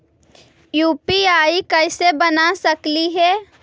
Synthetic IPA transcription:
juːpiaːikɐɪsebɐnasɐkliɦɛː

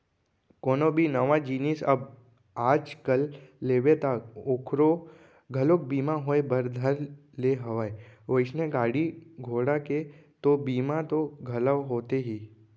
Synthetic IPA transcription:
koːnobʱinəʋad͡ʒiːnisɐb | aːd͡ʒkəlːeːʋet̪aokʰɾo | ɡʱəlok̚biːmaɦoebəɾd̪ʱəɾleɦɐʋaeoɪsnẽɡaːɽiɡʱoːɽaket̪obiːmat̪oɡʱɐləʋɦoːt̪eɦiː

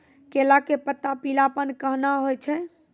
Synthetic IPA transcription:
kelakepət̪ːapilapənkəɦnaɦojt͡ʃʰɛ

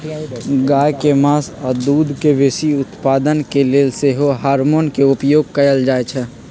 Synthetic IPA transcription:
ɡaːjkemaːsɔd̪uːd̪ʱkeʋeːsiʊt̪paːd̪ənkeleːlseɦoɦaːɾmoːnkeʊpjoːɡ̚kɐjəld͡ʒaːet͡ʃʰɛ

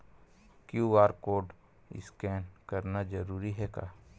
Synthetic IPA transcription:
kjuaːɾkoːɖ | ɪ̰skɛːnkɐɾnad͡ʒɐɾuːɾiɦɛka̰ː

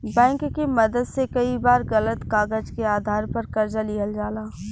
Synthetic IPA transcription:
bɛ̃ːŋkkemɐd̪əd̪sekɐibaːɾɣɐlət̪kaːɡəd͡ʒkeaːd̪ʱaːɾpɐɾkɐɾd͡ʒalɪɦəld͡ʒaːlaː

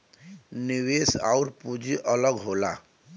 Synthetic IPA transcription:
niwesa̰uɾpud͡ʒiʔələɡɦola̰

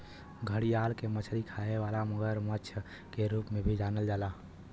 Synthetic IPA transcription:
ɡʱəɽijaːlkemət͡ʃʰɾikʰaːɦeʋaːlaməɡəɾmət͡ʃʰə | keɾuːpmẽbʱid͡ʒaːnəld͡ʒaːla

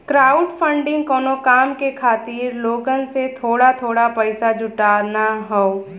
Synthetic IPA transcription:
kɾaːʊɖfʰə̃ɳɖɪ̃ŋɡkɔːnokaːmkekʰaːt̪iːɾloːɡənset̪ʰoːɽat̪ʰoːɽapɛɪsad͡ʒʊʈaːɾnaɦɛoː

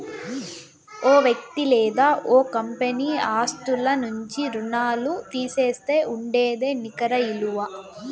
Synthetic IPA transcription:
oːʋjɐk̚t̪ilɛːd̪aːʔoːkɐmpeniːaːst̪ulɐnuɲt͡ʃiɾunaːlut̪iːseːst̪e̞ːʔuɳɖeːd̪e̞ːnikɐɾɐiluʋa

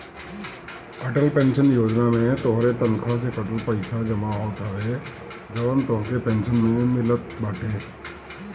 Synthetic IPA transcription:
ɐʈəlpɛ̃ːnʃənjoːd͡ʒnamẽt̪oɦɾet̪ɐnkʰas̬ekəʈupɐɪsad͡ʒɐmaɦot̪ʰaʋeː | d͡ʒɐʋənt̪oɦkepɛ̃ːnʃənmẽmɪlət̪̚baːʈʰeː

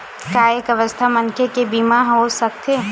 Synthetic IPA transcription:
kaːekɐʋəst̪ʰamɐ̃ŋkʰekebiːmaɦɦosɐk̚t̪e

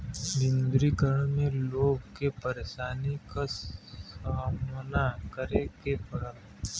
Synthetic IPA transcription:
dɪ̃nd̪ɾikəɾəɽ̃mẽloːɡkepɐɾeːʃaːnikasaːmnakəɾekepɐɽa

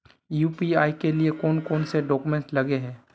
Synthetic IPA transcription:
juːpiːaːikeliekɔːnkɔːnseɖɔːkumẽɳʈlɐɡeɦɛ̃ː

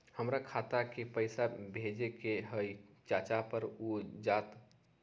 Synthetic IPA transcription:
həmɾakʰat̪akepəɪsabʱed͡ʒekeɦəjt͡ʃat͡ʃapəɾod͡ʒaːt̪

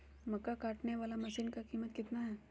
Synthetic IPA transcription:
mɐkːakaːʈneʋaːlamɐʃiːnkakiːmət̪kɪt̪naɦɛː

